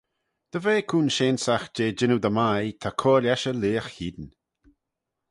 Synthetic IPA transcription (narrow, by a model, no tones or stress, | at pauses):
d̪̥əveːkʰuːnʃeːnsaxd͡ʒeːd͡ʒɪnud̪əmajt̪ʰakʰoːlɛʃəliːəxhiːd̪n